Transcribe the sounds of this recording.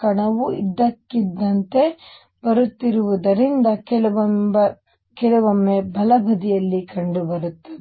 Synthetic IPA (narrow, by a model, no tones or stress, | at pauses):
kɐɳɐʋuid̪ːɐkːid̪ːɐnt̪e̞ | bɐɾut̪ːiɾuʋud̪ɐɾind̪ɐkɛɭʋɐ | kɛɭɐʋɐmːebʱɐlɐbʱɐd̪ijɐlːikɐɳɖubɐɾut̪ːɐd̪e